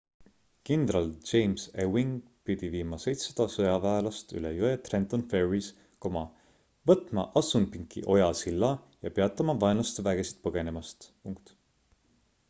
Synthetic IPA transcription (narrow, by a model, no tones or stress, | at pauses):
kind̪ɾɑld͡ʒe̞jmsewiŋɡ | pid̪̥iviːmɑsejt̪sɑd̪̥ɑsɤjɑvæelɑst̪y̰lḛjuet̪rent̪onfe̞ɹis | komɑ | vɤt̪ˑmɑ̰ʔɑsunpiŋkḭʔo̞jɑsilːɑ | jɑpeɑt̪ːˑɑmɑvɑenɑst̪væɡ̥e̞si̥t̪̚pɤɡ̥e̞ne̞mɑst̪puŋkt̪